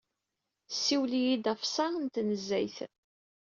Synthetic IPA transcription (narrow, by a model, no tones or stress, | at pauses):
sːiwlijid̪æfsˤɑnt̪nəzːæ̰jθ